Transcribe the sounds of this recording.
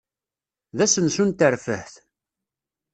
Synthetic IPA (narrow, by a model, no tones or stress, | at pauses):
ðæsənsunt̪əɾfə̰hθ